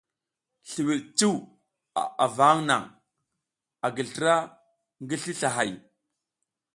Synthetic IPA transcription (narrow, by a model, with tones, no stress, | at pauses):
ɬi˨wi˨t͡si˦w | a˨a̰˨va˨˦ŋna̰˨ŋ | a˨ɡə˨ɮtɾa˦ | ŋɡi˦ɬi˦ɬa˨ɦa˨j